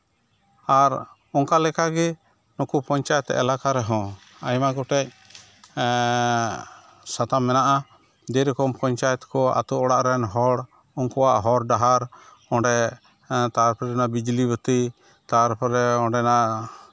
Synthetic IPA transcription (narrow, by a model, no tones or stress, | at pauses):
aɾ | ɔŋkalɛkaɡɛ | nɔkupɔɲt͡ʃajɛt̪ɛ̰ʔɛ̰lakaɾɛɦɔ̃ | ajmaɡɔʈɛc̚ | sat̪amːɛnaʔa | d̪ɛɾɛkɔmpɔɲt͡ʃajɛt̪kɔa̰t̪uɔɽaʔɾɛnɦɔɽ | ɔŋkɔwaʔɦɔɾɖaɦaɾ | ɔɳɖɛ | t̪aɾpʰɾɛnaʔbid͡ʒlibət̪əj | t̪aɾpʰɾɛɔɖɛnaʔ